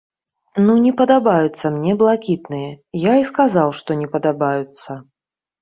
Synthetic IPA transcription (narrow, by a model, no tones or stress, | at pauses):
nunʲɛpɐd̪abajut̪sːɐmnʲɛblˠakʲit̪nɨjɛjaiskazawʂt̪ɔnʲɛpɐd̪abajut̪sːɐ